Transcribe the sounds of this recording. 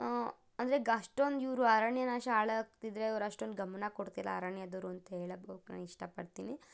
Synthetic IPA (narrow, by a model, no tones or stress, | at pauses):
ɐnd̪ɐɾeɡɐʂʈond̪iːɾuɐɾaɳjɐnaːʃɐaːɭɐk̚t̪id̪ɾe̞ɐʋɾɐʂʈond̪uɡɐmɐnɐkoɽt̪ila̰ːɾaɳjɐd̪ɐɾuɐnt̪ɐɦeːɭɐbɐukna̰ːniʂʈɐpɐɽt̪iːni